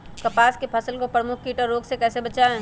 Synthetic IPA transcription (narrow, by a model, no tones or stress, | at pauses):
kɐpaːskepʰɐsəlkopɾəmʊkʰkiːʈəɾoːɡsekɛːsebɐt͡ʃaẽ